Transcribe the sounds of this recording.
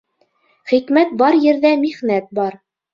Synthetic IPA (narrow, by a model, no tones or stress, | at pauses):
χikmæt̪̚bɑɾjɘ̆ɾðæmiʁnæt̪̚bɑɾ